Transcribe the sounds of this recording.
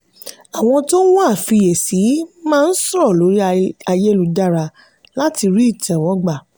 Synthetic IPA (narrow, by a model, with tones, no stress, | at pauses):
a˨w̃ɔ̃˧to˦w̃a˦˨fi˧je˨si˨˦mãː˦˧n̩˦sɔ˦ɾɔ˦˨lo˨˦ɾi˦a˧je˦lu˧da˦˨ɾa˧ | la˦ti˧ɾi˦i˦˨tɛ̃˨wɔ̃˨˦ɡ͡ba˦˨